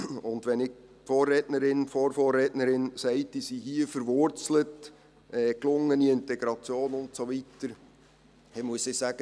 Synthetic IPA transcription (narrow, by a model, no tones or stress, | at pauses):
ʊndʋɛnɪk̚ | foːrːɛːtnəɾɪnfoːɾfoːrɛːtnəɾɪnsɛɪtisiɦiəfəɾʋʊɾt͡slət | ʔɛːklʊŋːəniɪntɛɡɾɑt͡sjoːnʊntsoʋitəɾ | ɪmuəsɪsæɡ̥ə